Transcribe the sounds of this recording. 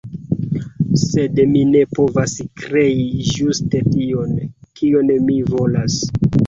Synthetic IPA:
se̞dmine̞po̞vaskɾe̞iʒuste̞tio̞nkionmivo̞las

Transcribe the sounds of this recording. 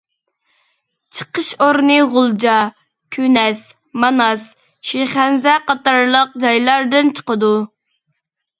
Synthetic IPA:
t͡ʃʰə̥qəʃoɾnɨʁʊlˠd͡ʒɑ | kʲʰynɛs | mɑnɑs | ʃiχænzɛqɑt̪ɑɾlˠəq̚d͡ʒɑjlˠɑɾd̪ɨnt͡ʃʰə̥qəd̪u

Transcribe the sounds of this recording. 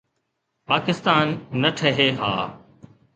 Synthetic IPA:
paːkɪst̪aːnːɐʈʰəɦeːɦa̰ː

